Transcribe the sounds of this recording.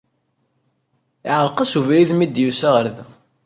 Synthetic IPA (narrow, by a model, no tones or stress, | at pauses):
iʕəɾˤqɑsuvɾiðmid̪jusæʁəɾðæ